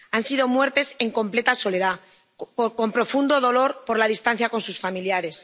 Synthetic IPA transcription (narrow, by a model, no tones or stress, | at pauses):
ansiðo̞mwe̞ɾt̪e̞se̞ŋko̞mple̞t̪aso̞le̞ð̞a | poko̞mpɾofund̪o̞ðo̞lo̞ɾpo̞ɾlaðist̪an̟θjako̞nsusfamiljaɾe̞s